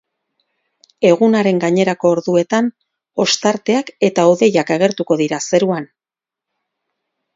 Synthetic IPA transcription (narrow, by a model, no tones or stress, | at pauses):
e̞ɣ̞unaɾe̞ŋɡaɲe̞ɾako̞ːɾðue̞t̪an | o̞st̪aɾt̪e̞ake̞t̪aoðe̞jakaɣ̞e̞ɾt̪uko̞ðiɾase̞ɾuan